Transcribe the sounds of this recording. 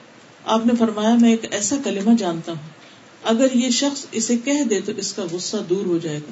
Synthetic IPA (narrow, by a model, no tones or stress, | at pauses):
aːpnefɐɾmaːjamɛ̃eːkɛːsakɐlɪmad͡ʒaːnt̪aɦũː | ɐɡəɾjeʃɐxsɪsekɛɦd̪et̪oʔɪskaɣʊsːad̪uːɾɦod͡ʒaːeːɡaː